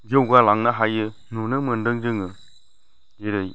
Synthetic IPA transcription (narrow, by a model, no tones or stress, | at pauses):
d͡ʒewɡalaŋnaɦajə | nunəməndəŋd͡ʒəŋə | jiɾəj